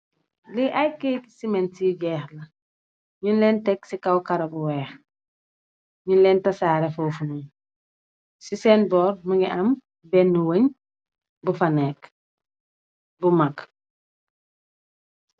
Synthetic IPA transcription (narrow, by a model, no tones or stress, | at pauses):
liʔajkejti̥simentiɟɛːxlɐ | ɲinlɛntɛksikawkaɾɐbuwɛːx | ɲinlɛntɐsaːɾefowfunum | sisɛːnbɔːɾmuɡiʔam | bɛnːuwəɲ | bufanɛk | bumak